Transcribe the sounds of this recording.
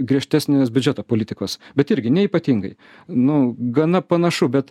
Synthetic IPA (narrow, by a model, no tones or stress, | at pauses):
ɡɾʲiɛʃʲt̪ʲæsʲnʲeːsbʲʊd͡ʒʲɛt̪oːpoːlʲɪt̪ʲɪkoːsbʲɛt̪ɪɾʲɡʲɪnʲɛiːpɐt̪ʲiːŋɡɐɪ | nʊɡɐnɐpɐnɐʃʊbʲɛt̪